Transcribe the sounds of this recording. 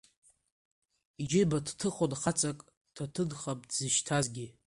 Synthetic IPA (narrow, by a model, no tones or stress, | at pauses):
id͡ʒɪbadtʰɨχodχat͡sʼakʼ | tʰatʰɨdχapʼdzɨʃtʰazɡʲi